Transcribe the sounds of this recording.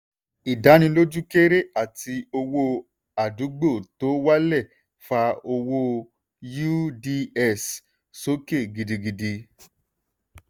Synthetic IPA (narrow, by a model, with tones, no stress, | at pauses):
i˨da˨˦ñĩ˧lo˦d͡ʒu˦ke˦ɾe˦ʔa˦˨ti˧o˧wo˦ | a˨du˨˦ɡ͡bo˦˨to˨˦wa˦lɛ˦˨ | fa˧o˧wo˦ | ju˦di˧ɛ˦˨s | so˦ke˦˨ɡi˨di˧ɡi˧di˧